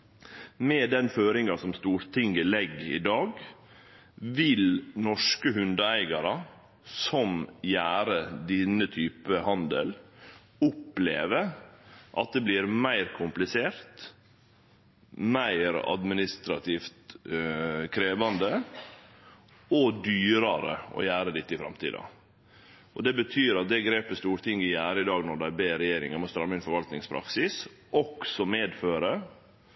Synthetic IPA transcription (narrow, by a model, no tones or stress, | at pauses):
mɛːd̪ɛnføːɾɪŋɑsɔmst̪uːɾt̪ʰɪŋəlɛɡːɪ̰d̪ɑːɡ | ʋɪlnɔʂkəɦʉnd̪əæɪɡɑɾɑ | sɔmjæːɾəd̪ɪnːət̪ʰyːpəhɑnd̪ə̰l | ʊplḛːʋəʔɑ̰t̪̚d̪eːbliːɾmæɪɾkʰʊmplɪseːɾt̪ | mæɪɾɑ̰d̪mɪnɪst̪ɾɑt̪ʰiːft̪ | kʰɾeːʋɑnd̪ə | ɔd̪yːɾɑɾə̰ɔ̰jæːɾəd̪ɪt̪ːəɪfɾɑ̰mt̪ʰḭːd̪ɑ̰ | ʔɔd̪ɛbət̪ʰyːɾɑt̪̚d̪ɛɡɾeːpəst̪uːɾt̪ʰɪŋːɪjæːɾəɪd̪ɑːɡnɔɖ̪æɪbeːɾɛjeːɾɪ̰ŋɑmɔst̪ɾɑmːəɪnfɔɾʋɑlt̪nɪŋspʰɾɑ̰ksɪs | ʔɔksɔmeːd̪føːɾə